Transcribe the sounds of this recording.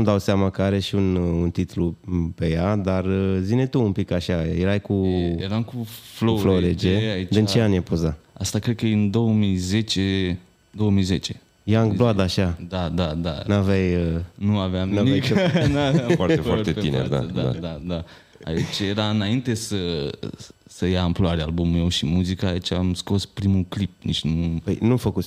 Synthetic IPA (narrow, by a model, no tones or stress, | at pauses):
umd̪awsamakəaɾeʃiununt̪it̪lupe̞jad̪arəzinet̪uːmpikaʃajeɾajkujeɾamkuflofloɾed͡ʒeaid̪ɨnt͡ʃt͡ʃeanjepozaast̪akɾed̪̚kəɨnd̪owəmizet͡ʃe | d̪owəmize̞t͡ʃe̥ | jaŋɡbload̪əaːʃad̪ad̪ad̪anavajənuaveamnanianavafaɾtefaɾt̪einḛɾd̪a̰d̪aa̰d̪ad̪a | a̰it͡ʃjeɾaɨnaint̪e̞sə | səjaːmploaɾealbumumewʃimuzikəːit͡ʃamsko̞spɾimuklip̚nit͡ʃnupəjnufəkut̪sʲ